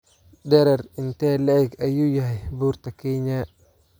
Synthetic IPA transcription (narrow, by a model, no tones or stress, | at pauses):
d̪ɛɾɐrɪnt̪ʰɛːlɐɛɡɐjuːjɐɦɛjbuːrt̪ʰɐkʰɛɲɐ